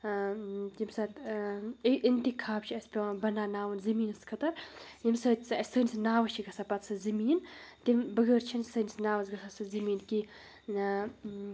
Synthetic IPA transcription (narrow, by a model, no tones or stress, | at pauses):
jimsɐt̪iʔint̪ikʰaːpt͡ʃʰiɐsʲpʲibɐnaːnaːwɨnzɐmiːnɨskʰɐt̪ɐɾjimsət̪ʲsɨɐsʲsəːnʲisnaːwɐʃʰiɡɐsapɐt̪sɨzɨmiːnt̪imbɨɡəɾt͡ʃʰinsəːnisnaːwɐzɡɐsasɨzɨmiːnki